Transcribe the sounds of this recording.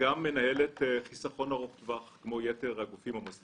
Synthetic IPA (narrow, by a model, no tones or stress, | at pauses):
amːe̞nahe̞le̞t̪χisaχo̞naʁoχt̪vaχkmo̞jeteʁhaɡufimhamos